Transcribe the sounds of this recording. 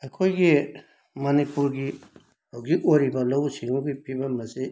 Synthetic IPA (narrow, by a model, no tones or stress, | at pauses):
ekʰojɡi | mɐnipuɾɡi | ɔwɡiʔoɾibalɔwsiŋuɡipʰibamase